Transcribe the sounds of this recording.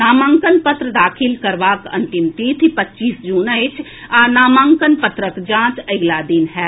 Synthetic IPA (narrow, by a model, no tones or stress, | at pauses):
naːmãːŋkənpət̪ɾəd̪aːkʰɪlkɐɾʋaːkɐ̰̃nt̪ɪmt̪iːt̪ʰipɐtːʃiːsd͡ʒuːnəɪt͡ʃʰ | anaːmãːŋkənpət̪ɾəkd͡ʒãːt͡ʃɐɡlaːd̪ɪnɦɛː